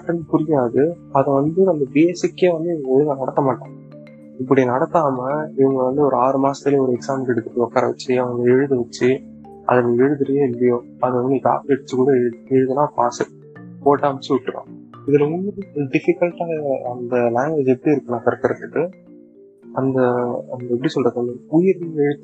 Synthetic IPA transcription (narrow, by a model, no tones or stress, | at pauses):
ɐʈːɯnd̪ɯpʊɾɪjaːðɯ | ɐðɐ̃ʋɐnd̪ɯɐnd̪ɯbeɛsɪkːeːʋɐnd̪ɯɪʋɐŋɡɾinãnɐɽɐt̪ːɐmaːʈːãː | ɪpːɐɽinɐɽɐt̪ːaːmɐɪʋɐŋɡɐʋɐnd̪ɯɔɾɯaːɾɯmaːsɐ̥t̪ɪleɔɾɯɛksaːmkɛɽɯt̪ːɯɾːɯɔkːaːɾɐʋɐt͡ʃːɯɐʋɐŋɡɐɛɻɯðɯʋɐt͡ʃːɯ | ʔɐ̰ðɐɐɛɻɯðɪɾɐjeːɪlːɐjoː | ɐðɯʋɐnd̪ɯd͡ʒa̰ːpɛɽɯt͡ʃːɯkuːɽɐɛɻɯðɛɻɯðɯnãːpaːsɯ | poːʈːaːʋɐt͡ʃːɯʊʈːɯɾõ̰ːɪðɪlɐʊɳːɐɾɯɖɪfɪkːɐɭʈaːɣɐɐnd̪ɐlaːŋɡʋeːd͡ʒɛpːɐɽiɪɾɯkːɯnaːkɐɾɐkːɐɾɐt̪ːɯkːɯ | ɐnd̪ɐɐnd̪ɐɛpːɐɽisɔlrɐðɯɐnɐʊjɪɾnɛɻɯð